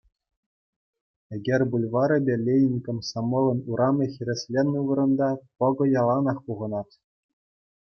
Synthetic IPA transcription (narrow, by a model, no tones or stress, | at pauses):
eɡʲerʲbulʲʋɑɾʲɘ̆bʲelʲejnʲikʲɘ̆msɑmɤ̆lʲˠɤ̆nuɾɑmʲĕxʲĭɾʲĕsʲlʲenɯʋɤ̆ɾɤ̆nd̪ɑpɤ̆ɡɤ̆jɑlˠɑnɑχpuʁɤ̆nɑt̪ʲ